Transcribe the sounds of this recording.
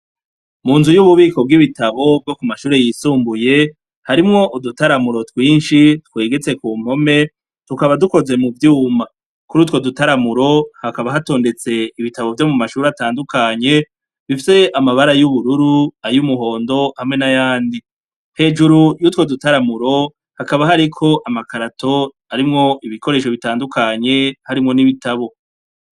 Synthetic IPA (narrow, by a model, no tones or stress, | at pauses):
muːnzujuβuβiːko̞b̚ɡiβitaβo̞bɡo̞kumaʃuːɾe̞jiːsuːmbuje̞ | haɾimŋo̞ʔudutaɾamuɾo̞twiːnʃitkwe̞ːɡe̞t͡se̞kuːm̥ho̞me̞ | tukaβaduko̞ze̞muvjuːma | kuɾuːtwo̞dutaɾamuɾo̞hakaβaɦato̞ːnde̞t͡se̞iβitaβo̞vjo̞mumaʃuːɾataːndukaɲe̞ | βifise̞ʔamaβaɾajuβuɾuɾuajumuɦo̞ːndo̞hamŋe̞najaːndi | he̞ːd͡ʒuɾujuːtwo̞dutaɾamuɾo̞ | hakaβaɦaɾikʰo̞ʔamakaɾatʰo̞ | aɾimŋo̞ʔiβiko̞ɾe̞ːʃ̬o̞βitaːndukaɲe̞haɾimŋo̞niβitaβo̞